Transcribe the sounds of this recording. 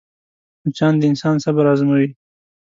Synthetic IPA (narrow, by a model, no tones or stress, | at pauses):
ʊt͡ʃɑnd̪əɪnsɑnsabaɾɑzmawi